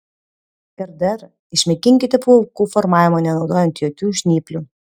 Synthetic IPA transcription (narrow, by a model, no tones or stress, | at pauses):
ɪɾd̪ɛɾ | ɪʃʲmʲɛkʲɪŋʲkʲɪt̪ʲɛpokuːfɔɾmɑːʋʲɪmoːnʲɛnɒʊd̪oːjɛnʲt̪ʲjoːkʲuːʃʲnʲiːpʲlʲuː